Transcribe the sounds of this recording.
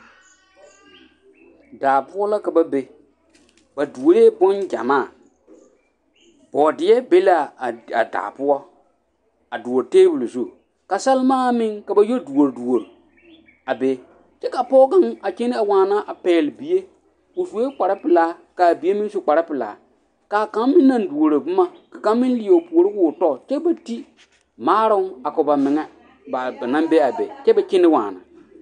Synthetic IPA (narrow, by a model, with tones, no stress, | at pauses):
daː˨pʊ˦ɔ˦la˦ka˨ba˦be˦ | ba˨du˨o˨ɾeː˦bɔ˦nd͡ʒa̰˨maː˦˨ | b̥ɔː˨dɪ˨ɛ˦be˦la˦˨a̰˨da̰ː˨pʊ˦ɔ˦ | a˨du˨o˨ɾteː˦bʊ˨lzu˦˨ | ka˨sa˦lɪ˦maː˦mɪ˦ŋka˨ba˦jo˦du˨o˨ɾdu˨o˨ɾ | a˨be˨˦ | t͡ʃɛ˦ka˨pɔː˦ɡa˦ŋa˨t͡ʃɪ˦nɪ˦a˨waː˨na˦ʔa˨pɛː˨lɪ˨bi˨je˦ | ʊ˨vu˨e˦k͡pa˨ɾa˦pɪ˨la˦ka˨bi˨e˦mɪ̃˦nsʊ˦k͡pa˨ɾa˦pɪ˨la̰ː˨ | ka˨ka˨˦m˦mɪ̃˦nː˦a˦ndu˨o˨ɾo˨bʊ˦ma˦ka˨ka˦m˦mɪ̃˦n˦lɪ˨˦e˨pu˨o˨ɾɪ˦kʊ˦˨tɔ˦˨t͡ʃɛ˦ba˨ti˦ | maː˦ɾʊ˦ŋa˨kʊ˨ba˨mɪ˨ŋɛ˦ | ba˨ba˨nã˦mbe˦a˨bḛ˨t͡ʃɛ˦ba˨t͡ʃɪ˦nɪ˦waː˨na̰˨